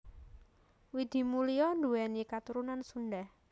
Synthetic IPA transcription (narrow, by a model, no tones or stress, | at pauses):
wid̪̥i̤mulijɔnd̪uɛnikat̪uɾunansunɖah